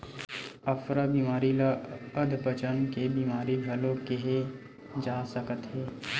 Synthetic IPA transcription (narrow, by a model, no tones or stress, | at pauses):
ɐfɾabiːmaːɾilaəd̪ʱpət͡ʃənkebiːmaːɾibʱɐlõkeɦe | d͡ʒaːsəkət̪ɦɛː